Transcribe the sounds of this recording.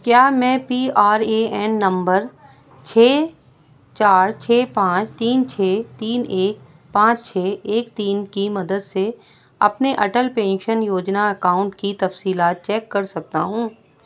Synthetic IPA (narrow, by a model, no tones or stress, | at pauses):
kjaːmɛ̃ːpiːaːɾeːɛːnːɐ̃mbəɾ | t͡ʃʰeː | t͡ʃaːɾt͡ʃʰeːpãːt͡ʃt̪iːnt͡ʃʰeːt̪iːneːk | pãːt͡ʃt͡ʃʰeːeːkt̪iːnkimɐd̪əd̪se | ɐ̰pneʔɐʈəlpẽːnʃənjoːd͡ʒnaɐkaːʊ̃ɳʈkit̪ɐfsiːlaːt̪̚t͡ʃɛːkːɐɾsɐk̚t̪a̰ɦũː